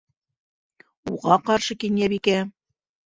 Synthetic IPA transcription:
uʁɑqɑɾʃɤkinjæβikæ

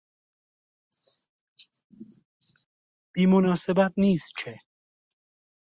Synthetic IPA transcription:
b̥iːmonɒːsebæt̪̚niːst̪̚t͡ʃʰe

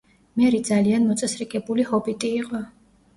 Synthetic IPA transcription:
mɛɾid̪zalianmɔt̪sʼɛsɾɛɡʼɛbulihɔbit̪ʼiːqʼɔ

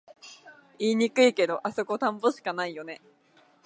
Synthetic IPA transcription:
iːɲ̟ikɯ̟ike̞d̪o̞ʔaso̞ko̞t̪ãmbo̞ɕi̥kanaijo̞ne̞

